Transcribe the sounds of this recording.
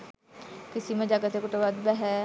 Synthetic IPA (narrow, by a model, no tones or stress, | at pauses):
kɪsimẽd͡ʒaɡət̪ekʊʈoʋad̪bɛɦɛ